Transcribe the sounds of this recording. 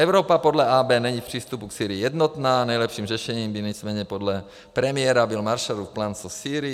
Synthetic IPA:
ɛʊɾɔːpapɔd̪lɛʔaːbɛːnɛɲifpr̝̥iːst̪upuksiːɾiːjɛd̪nɔt̪naːnajlɛpʃiːmrɛʃɛɲiːmbiɲɛt͡smɛɾɲɛpɔd̪lɛ | pɾɛmɪjɛɾabilmaɾʃaɾufplansɔsiːɾi

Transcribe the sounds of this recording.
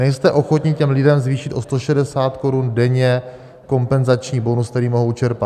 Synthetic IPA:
nɛjst̪ɛʔo̞xo̞t̪ɲɪcɛmlɪdɛmzviːʃɪt̪ʔost̪o̞ʃɛdɛsaːt̪ko̞ɾundɛɲɛ | ko̞mpɛnzat͡ʃɲiːbo̞nuskt̪ɛɾiːmo̞ɦowt͡ʃɛɾpat̪

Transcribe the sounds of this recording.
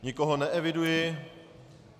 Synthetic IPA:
ɲɪkoɦonɛʔɛvɪdujɪ

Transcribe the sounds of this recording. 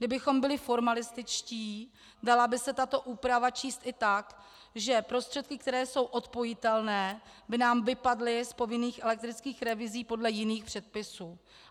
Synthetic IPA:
ɡdɪbɪxo̞mbɪlɪfo̞ɾmalɪst̪ɪt͡ʃciː | dalabɪsɛt̪at̪o̞ʔuːpɾavat͡ʃiːst̪ɪt̪ak | ʒɛpɾo̞st̪r̥ɛt̪̚kɪk̚t̪ɛɾɛːso̞wʔo̞t̪po̞jɪt̪ɛlnɛːbɪnaːmvɪpadlɪspo̞vɪniːxʔɛlɛk̚t̪ɾɪt͡skiːxɾɛvɪziːpo̞dlɛjɪniːxpr̝̥ɛt̪̚pɪsuː

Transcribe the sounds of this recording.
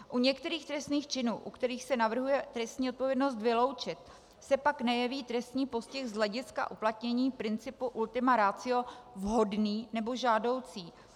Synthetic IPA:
ʔuɲɛkt̪ɛɾiːxt̪ɾɛst̪niːxt͡ʃɪnuːʔukt̪ɛɾiːxsɛnavr̩ɦujɛt̪ɾɛst̪ɲiːʔot̪̚po̞vjɛdno̞st̪vɪlo̞wt͡ʃɪt̪̚ | sɛpaknɛjɛviːt̪ɾɛst̪ɲiːpo̞scɪxzlɛɟɪska̰ʔuplat̪ɲɛɲiːpɾɪnt͡sɪpuʔult̪ɪmaɾaːt͡sɪo̞vɦo̞dniːnɛbo̞ʒaːdo̞wt͡siː

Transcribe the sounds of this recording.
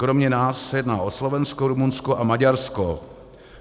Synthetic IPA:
kɾomɲɛnaːsːɛjɛdnaːʔoslovɛnskoɾumunskoʔamaɟaɾsko

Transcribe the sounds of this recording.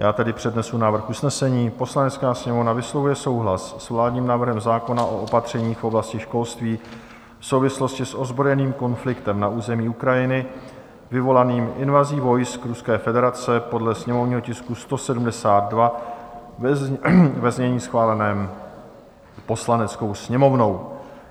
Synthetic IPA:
jaːt̪ɛdɪpr̝̥ɛdnɛsunaːvr̩xʔusnɛsɛɲiːpo̞slanɛt͡skaːsɲɛmovnavɪslo̞vujɛso̞wɦlasːvlaːdɲiːmnaːvr̩ɦɛmzaːko̞naʔo̞ʔopat̪r̝̥ɛɲiːxfʔo̞blascɪʃko̞lst̪viː | fso̞wvɪslo̞scɪsʔo̞zbɾojɛniːmko̞nflɪkt̪ɛmnaʔuːzɛmiːukɾajɪnɪ | vɪvo̞laniːmʔɪnvaziːvo̞jskɾuskɛːfɛdɛɾat͡sɛpo̞dlɛsɲɛmo̞vɲiːɦo̞cɪskust̪o̞sɛdumdɛsaːd̪̚dva | vɛzɲɛɲiːsxvaːlɛnɛːm | po̞slanɛt͡sko̞wsɲɛmo̞vno̞w

